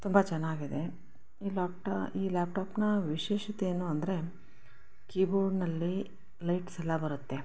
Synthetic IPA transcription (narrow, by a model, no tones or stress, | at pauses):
t̪umbɐt͡ʃɛnːaːɡid̪e̞ | iːlːpʈiːlaːp̚ʈaːpnɐʋiʃeːʃɐt̪eeːnuɐnd̪ɐɾe̞ | kiːboːɾɖnɐlːi | lɐjʈsɛlːɐbɐɾut̪ːe̞